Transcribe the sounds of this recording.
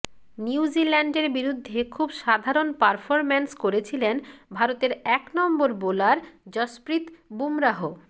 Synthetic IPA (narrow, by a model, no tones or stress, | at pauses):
niwzilɛɳɖeɾbiɾud̪ʱːekʰubʃad̪ʱaɾonpaɾfʰoɾmenskoɾet͡ɕʰilenbʱaɾot̪eɾɛknɔmboɾbolaɾd͡ʑɔspɾit̪bumɾaɦo